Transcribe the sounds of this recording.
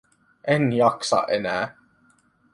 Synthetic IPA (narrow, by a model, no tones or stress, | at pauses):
ɛnjɑksɑ̰ʔɛnæː